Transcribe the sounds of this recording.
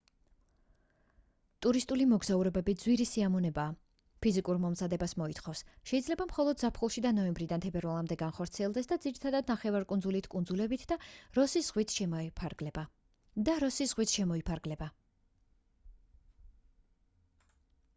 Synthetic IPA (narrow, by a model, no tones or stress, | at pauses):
t̪ʼuɾist̪ʼulimɔɡzauɾɛbɛbid̪zwiɾisiamɔnɛbaː | pʰizikʼuɾmɔmzad̪ɛbasmɔit̪ʰχɔfsʃɛidzlɛbamχɔlˠɔd̪zapʰχulˠʃid̪anɔɛmbɾid̪ant̪ʰɛbɛɾvalˠamd̪ɛɡanχɔɾt̪sʰiɛlˠd̪ɛsd̪ad̪ziɾit̪ʰad̪ad̪̚naχɛvaɾkʼund̪zulit̪ʰkʼund̪zulɛbit̪ʰd̪aɾɔsiz̥ʁwit̪ʰʃpʰɛba | d̪aɾɔsiz̥ʁwit̪ʰʃɛmɔipʰaɾɡlɛba